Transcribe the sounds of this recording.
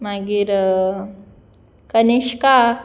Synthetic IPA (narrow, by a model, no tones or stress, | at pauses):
maɡiɾ | kəneɕka